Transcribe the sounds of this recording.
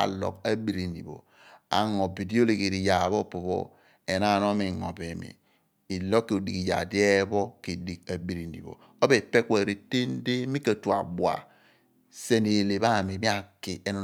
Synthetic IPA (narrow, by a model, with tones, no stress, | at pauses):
a̰˨lɔ̰˨ka˦bi˨ɾi˨nḭ˨bo̰˨ | a̰˨ŋo˨bi˨di˦o˦le˨ke˨ɾi˨ja˨βo˦po˨βo̰˦ | e˨na˦˨no˦mi˨ŋɔ˨be˨mḭː˨ | lo˦kːi˨o˨di˨ki˨ja̰˨de˦bɔ˦ki˨di˨k̚a˨bi˨ɾi˨nḭ˨bo̰˨ | o˦be˨pe˦kʷa˨ɾe˨te˦n˦de˦mi˦ka˨tu˨a̰˨bwa̰˨ | se˦ni˨le˨βa˦˨mi˨mi˦a˨ki˨e˨no˨